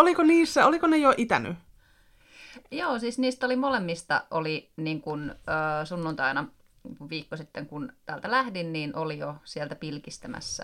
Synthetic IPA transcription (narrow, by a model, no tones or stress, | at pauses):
olikoniːsːæolikonejoʔit̪æ̰ny̰ | joːsiːsniːst̪olimolemːist̪ɑ̰ʔoliniːŋkunəːsunːunt̪ɑinɑ | ʋʋiːkːosit̪ːeŋkunt̪æːlt̪ælæhdinniːnʔolijosielt̪æpilkist̪æmæ̰sːæ̰